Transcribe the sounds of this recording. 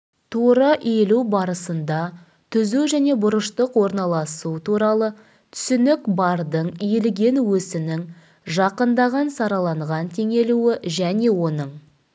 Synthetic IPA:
t̪ʰoɾəʔelubɑɾəsənd̪ɑ | t̪ʰʏzuʒæne̞bʊɾəʃt̪əqwo̞ɾnɑlˠɑsut̪ʰuɾɑlˠə | t̪ʰʏ̥sʏnɪkbɑɾd̪əɴijlɡʲe̞nwɵsɪnɪŋ | ʒɑqənd̪ɑʁɑnsɑɾɑlˠɑɴʁɑnt̪ʰe̞ŋe̞luwɪʒæne̞wo̞nəɴ

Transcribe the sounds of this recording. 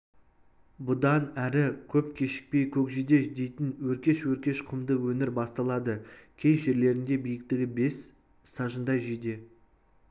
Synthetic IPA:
bʊd̪ɑnæɾɪkʲʰɵp̚kʲʰe̞ʃɪ̥k̚pe̞jkʲʰɵkʒijd̪e̞d̪e̞jt̪ɪnwɵɾkʲe̞ʃwɵɾkʲe̞ʃqʰʊmd̪əwɵnɪɾbɑst̪ɑlˠɑd̪əkʲʰe̞jʒe̞ɾle̞ɾɪnd̪e̞bijɪk̚t̪ɪɡʲɪbe̞sː | ɑʒənd̪ɑjʒijd̪e̞

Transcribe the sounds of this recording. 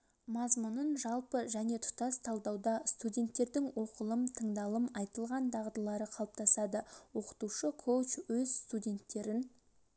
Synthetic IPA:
mɑzmunənʒɑlˠpəʒæne̞t̪ʰʊ̥t̪ɑst̪ʰɑlˠd̪ɑwd̪ɑst̪udʲe̞nt̪ːe̞ɾd̪ɪŋwo̞qəlˠəmt̪ʰəɴd̪ɑlˠəmɑjt̪əlˠʁɑnd̪ɑʁd̪əlˠɑɾəqʰɑlˠəp̚t̪ʰɑsɑd̪əwo̞qə̥t̪uʃəkʰowt͡ʃwɵzst̪udʲe̞nt̪ːe̞ɾɪn

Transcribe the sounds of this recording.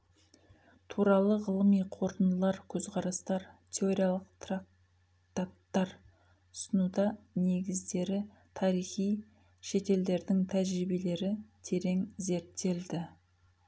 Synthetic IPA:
t̪ʰuɾɑlˠəʁəlˠəmijqʰo̞ɾt̪ənəlˠɑɾkʲʰɵz̥qʰɑɾɑst̪ɑɾt̪ʲʰe̞o̞ɾijalˠəqt̪rak̚ | t̪at̪ːɑɾ | ʊ̥sənud̪ɑne̞ɡʲɪzd̪e̞ɾɪ | t̪ʰɑɾijχij | ʃe̞t̪e̞ld̪e̞ɾd̪ɪŋt̪ʰæʒɾibe̞le̞ɾɪt̪ʰe̞ɾe̞ŋze̞ɾt̪ːe̞ld̪ɪ

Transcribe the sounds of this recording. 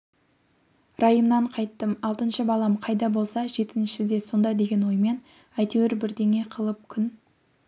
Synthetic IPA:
rɑjəmnɑɴqʰɑjt̪ːəmɑlˠt̪ənʃəbɑlˠɑmqʰɑjd̪ɑbo̞lˠsɑʒe̞t̪ɪnʃɪd̪e̞so̞nd̪ɑd̪e̞ɡʲe̞nwo̞jme̞n | æjt̪ewɪɾbɪɾd̪e̞ŋe̞qʰəlˠəp̚kʲʰʏn

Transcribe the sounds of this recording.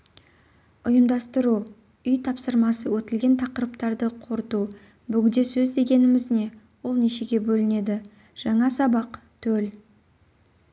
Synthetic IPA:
ʊjəmd̪ɑst̪əɾu | ʏjt̪ʰɑpsəɾmɑsəwɵt̪ɪlɡʲe̞nt̪ʰɑqəɾəpt̪ɑɾd̪əqʰo̞ɾt̪u | bʏɡʲɪnd̪e̞sɵzd̪e̞ɡʲe̞nɪmɪzne̞ | wo̞lˠneʃe̞ɡʲe̞bɵlɪne̞d̪ɪ | ʒ̥ɑɴɑsɑbɑqt̪ʰɵl

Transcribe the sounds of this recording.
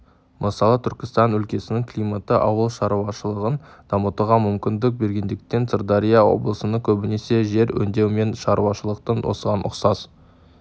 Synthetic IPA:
mʔəsɑlˠət̪ʰʏɾkʲɪ̥st̪ɑnɵlkʲe̞sɪnɪŋkʰlʲijmat̪əʔɑ̰wəlˠʃɑɾuɑʃəlˠəʁənd̪̥ɑmət̪əʁɑmʏmkʲɪnd̪ɪk̚be̞ɾɡʲe̞nd̪ɪk̚t̪e̞nsərd̪ɑɾijawo̞̰blˠəsənəkʲʰɵbɪne̞se̞ʒe̞ɾwɵ̰nd̪e̞wme̞nʃɑɾuɑʃəlˠəq̚t̪ɑnwʔo̞̰səʁɑnʔʊ̰qsɑz

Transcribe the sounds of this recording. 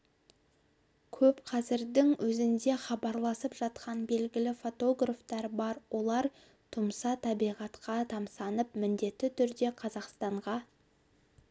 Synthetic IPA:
kʲʰɵpqʰɑzɪɾd̪ɪŋwʔɵzɪnd̪e̞χɑbɑɾlˠɑsəpʒɑt̪qɑnbe̞lɡʲɪlɪfo̞t̪o̞ɡraft̪ɑɾbɑɾwʔo̞lˠɑɾ | t̪ʰʊmsɑt̪ʰɑbijʁɑt̪qɑt̪ʰɑmsɑnəpmɪnd̪e̞t̪ːɪt̪ʰʏɾd̪e̞qʰɑzɑqst̪ɑɴʁɑ

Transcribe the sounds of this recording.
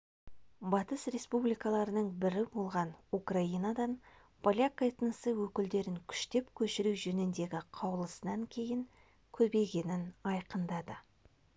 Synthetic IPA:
bɑt̪əsre̞spublijkɑlˠɑɾənəɴbɪɾɪbolˠʁɑnukraijnad̪ɑn | pʰolʲjakːaet̪nəsəwɵkʲɪld̪e̞ɾɪŋkʲʰʏ̥ʃt̪e̞pkʲʰɵʃɪɾuwʒɵnɪnd̪e̞ɡʲɪqʰɑwlˠəsənɑŋkʲʰe̞jɪŋ | kʲʰɵbe̞ɡʲe̞nɪnɑjqənd̪ɑd̪ə

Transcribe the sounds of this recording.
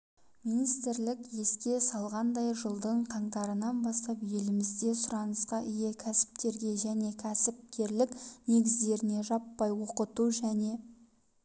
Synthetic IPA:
minijst̪ɪɾlɪkje̞skʲe̞sɑlˠʁɑnd̪ɑjʒəlˠd̪əɴqʰɑɴt̪ɑɾənɑnbɑst̪ɑpje̞lɪmɪzd̪e̞sʊɾɑnəsqɑʔɪjekʲʰæsɪ̥p̚t̪e̞ɾɡʲe̞ʒæne̞kʲʰæsɪp̚t̪e̞ɾlɪkne̞ɡʲɪzd̪e̞ɾɪne̞ʒɑpːɑjwoqət̪uʒæne̞

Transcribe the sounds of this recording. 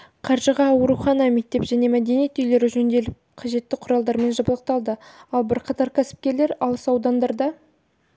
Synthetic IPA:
qʰɑɾʒəʁɑwoɾuχɑnɑmek̚t̪e̞pʒæne̞mæd̪e̞nijet̪ʏjle̞ɾɪʒɵnd̪e̞lɪp̚qʰɑʒe̞t̪ːɪqʰʊɾɑlˠd̪ɑɾme̞nʒɑbəlˠəq̚t̪ɑlˠd̪əɑlˠbɪɾqʰɑt̪ɑɾkʲʰæsɪ̥p̚kʲe̞ɾle̞ɾɑlˠəsɑwd̪ɑnd̪ɑɾd̪ɑ

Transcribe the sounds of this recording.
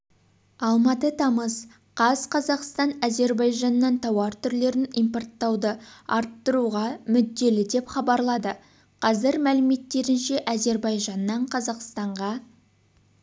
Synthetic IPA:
ɑlˠmɑt̪ət̪ʰɑməz | qʰɑzqʰɑzɑqst̪ɑnæze̞ɾbɑjʒɑnːɑnt̪ʰɑwɑɾt̪ʰʏɾle̞ɾɪnijmpo̞rt̪ːɑwd̪əɑɾt̪ːəɾuʁɑmʏd̪ːe̞lɪd̪e̞pχɑbɑɾlˠɑd̪ə | qʰɑzɪɾmælɪme̞t̪ːe̞ɾɪnʃe̞ʔæze̞ɾbɑjʒɑnːɑɴqʰɑzɑqst̪ɑɴʁɑ

